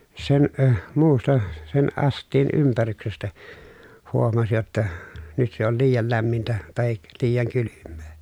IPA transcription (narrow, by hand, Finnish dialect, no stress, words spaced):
sen ə muːstɑ sen ʔɑstˑiːn ympæryksestæ huomɑs jotːɑ nyt se ol liːjɑl læmːintæ tɑhik liːjɑŋ kylymːe̥ː